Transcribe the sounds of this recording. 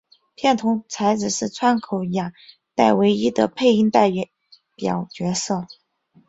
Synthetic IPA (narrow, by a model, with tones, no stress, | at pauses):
pʰjɛ˥˩nt̪ʰʊ˧˥ŋt͡sʰa˧˥ɪt͡sɹ̩˨˩ʂɻ̩˥˩t͡sʰwa˥nkʰo˧˩ʊja˨˩ | t̪a˥˩ɪwe˧˥ɪi˥d̪ə̰˨pʰe˥˧ɪi˥˧ŋt̪a˥˩ɪ˧˥ | pjɑ˨˩ʊt͡ɕɥɛ˧˥sɤ˥˩